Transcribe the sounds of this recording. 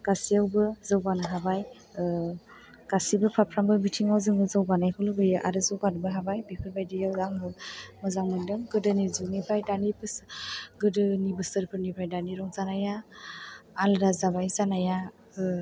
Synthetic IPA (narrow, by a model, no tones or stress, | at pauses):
ɡ̥asiawbɯzawbanaɦabaj | ɡ̥asibɯpʰapʰɾambɯbitʰiŋawzɯŋbɯzawbanajkʰɯlɯɡɯjɯʔa̰ɾɯzɯwɡadbɯɦabajbikʰɯɾbajdijawaŋbɯmɯzaŋmɯndɯŋɡɯdɯnizɯnipʰajdanipʰɯsɡɯdɯnibɯsɯɾpʰɯɾnipʰajdaniɾɔŋzanaja | alɾazaβajzanaja